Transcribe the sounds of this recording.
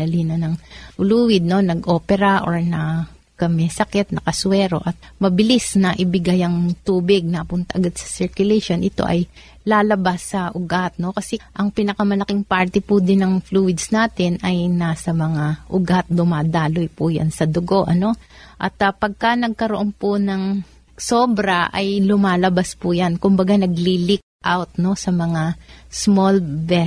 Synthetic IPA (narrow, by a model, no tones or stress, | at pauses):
ɐliːnɐnɐŋfluːwɪd̪̚no̞nɐɡʔo̞ːpɛɾɐʔoɹnɐ | kɐmɛsɐkɛt̪̚nɐkɐswɛːɾo̞ʔɐt̪̚mɐbɪlisnɐʔɪbɪɡajɐŋt̪uːbɪɡ̚nɐpʊnt̪ɐʔɐɡad̪̚sɐ̥sɪɹkjʊlɛjʃonʔɪt̪o̞̰ʔɐj | laːlɐbasːɐʔʊɡat̪̚no̞kɐsɛʔɐŋpinɐkɐmɐlɐkɪŋpaɹt̪ɛpud̪ɪnɐŋfluɪd̪snaːt̪ɪnɐjnaːsɐmɐŋaʔʊɡat̪̚d̪ʊmaːd̪aːlojpʊja̰nsɐd̪oɡo̞ʔɐno̞ʔɐt̪ɐpɐɡ̚kɐnɐɡ̚kɐɾoʔo̞npʊnɐŋ | so̞ːbɾɐʔɐjlʊmaːlɐbaspʊjankʊmbɐɡanɐɡlilik̪̚ʔawt̪̚no̞sɐmɐŋasmolvɛ